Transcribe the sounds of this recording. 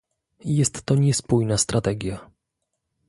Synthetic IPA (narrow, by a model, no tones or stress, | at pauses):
jɛst̪ːɔɲɛspujnast̪ɾat̪ɛɡʲja